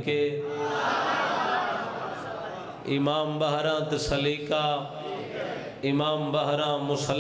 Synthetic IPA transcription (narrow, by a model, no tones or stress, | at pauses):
keː | ɪmaːmbɐɦɾãːt̪ɐsɐliːkaː | ɪmaːmbəɦɾãːmʊsəl